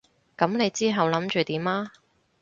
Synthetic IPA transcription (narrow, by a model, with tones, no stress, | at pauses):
kɐ˨˧˥mne˨˧jt͡siː˥ɦɐ˨wlɐ˨˥mt͡ʃyː˨˧t̪iː˨˥maː˥